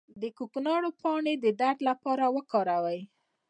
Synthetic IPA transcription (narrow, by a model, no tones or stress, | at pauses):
d̪əkoknɑɽopɑɳed̪əd̪aɖlapɑɾawəkɑɾawəj